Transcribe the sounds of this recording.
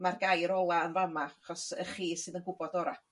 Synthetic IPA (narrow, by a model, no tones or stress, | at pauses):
marɡajɾɔlˠaənramaaχɔsə̰χiːsɨːðənɡʊbɔdɔɾa